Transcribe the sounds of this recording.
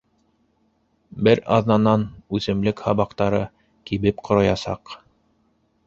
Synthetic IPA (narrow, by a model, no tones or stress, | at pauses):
bɘɾɑ̰ðnɑnɑnʉθɘ̆mlɘkhɑβɑqt̪ɑɾɤ | kiβɘpqʰŏɾɑjɑsɑ̰q